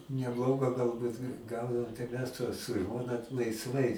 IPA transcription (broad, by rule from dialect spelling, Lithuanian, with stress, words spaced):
nʲɛˈblˠoːɡɐ ɡɐlˠˈbʊt nʊ ˈɡɐʊdɐoːm tɐɪ ˈmʲɛs tuɔs sʊ ˈʒmoːnɐ lˠɐɪsˈʋɐɪ